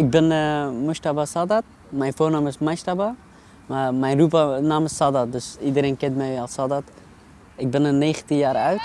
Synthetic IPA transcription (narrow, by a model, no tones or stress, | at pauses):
ɪɡ̚bɪnəmustabasadat̚ | mɛjnfoːrnaːmɪsmastaba | mamɛjnrup̬ənaːmɪsadat̚døsidəɾeːnkɪntmɛjalˠsadat | ɪk̚bɪnəneːχəntinjaːɾœɥt